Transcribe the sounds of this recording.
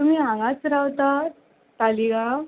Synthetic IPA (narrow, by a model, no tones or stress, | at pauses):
t̪um̤iːãŋat͡sɾawt̪a | t̪aliɡa